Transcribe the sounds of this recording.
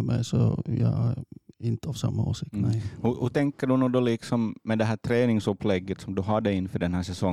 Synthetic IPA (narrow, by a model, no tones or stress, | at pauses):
mɛ̰jsɔjɑæɾɪnt̪əavsa̰mːauːsik̪hʉhɵt̪ʰɛŋkːəɖʉnuːd̪ɔlɪksɔmːɛd̪ɛɦæːʈ̪ʰɾeːnɪŋsɵpʰːlɛɡːət̪sɔmd̪ɵɦɑɖɛjɪnːfœɖɛnhæːʂɛsɔŋː